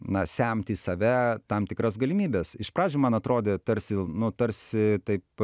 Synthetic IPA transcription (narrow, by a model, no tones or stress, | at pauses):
nɐsʲæmʲt̪ʲiːsɐʋʲæt̪ɐmt̪ʲɪkɾɐs̬ɡɐlʲɪmʲiːbʲeːsɪʃpɾɑːd͡ʒʲʊːmɐnɐt̪ɾoːd̪ʲeːt̪ɐɾʲsʲɪnʊt̪ɐɾʲsʲɪt̪ɐɪp